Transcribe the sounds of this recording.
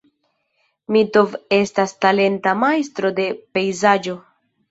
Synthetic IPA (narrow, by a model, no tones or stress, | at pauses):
mito̞ve̞stastale̞ntamajst̪ɾo̞de̞pe̞jzad͡ʒo̞